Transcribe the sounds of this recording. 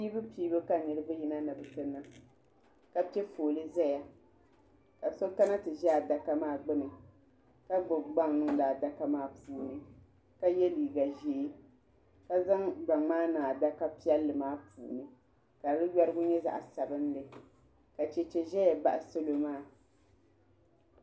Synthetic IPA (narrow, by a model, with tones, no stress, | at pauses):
pi˦bɨ˦piː˦bɨ˦ka˦nɨ˨ɾɨ˦bɨ˦ji˦na˦nɨ˨bɨ˨tɨ˦na˦ | ka˦pi˦ɛ˦foː˨lɨ˦zɛ˦ja˨ | ka˨so˦ka˦na˦tɨ˨ʒɛ˦a˨da˨ka˦maː˦˨ɡ͡bɨ˦nɨ˨ | ka˦ɡ͡bʊ˨ɡ͡ba˦ŋnɨ˦ŋ˦daː˨da˨ka˦maː˦puː˨nɨ˦ | ka˦jɛ˦liː˨ɡa˨ʒe˨˦ | ka˦za˦ŋɡ͡ba˨ŋaː˦naː˨da˦ka˦pi˦ɛ˦lːɨ˨maː˦pʰṵː˨nɨ˦ | ka˨ɾɨ˦jɛ˦ɾɨ˦ɡʊ˦ɲɛ˦za̰˦ʔa˨sa˨bɨ˦n˦lɨ˨ | ka˨t͡ʃɛ˨t͡ʃɛ˨ʒɛ˦ja˨ba˦ʔa˨so˦lo˨maː˦˨